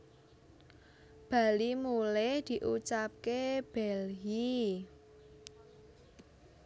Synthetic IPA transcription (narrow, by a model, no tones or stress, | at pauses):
b̥a̤limulɛhd̪̥i̤ʔut͡ʃap̚keb̥ɛlɦi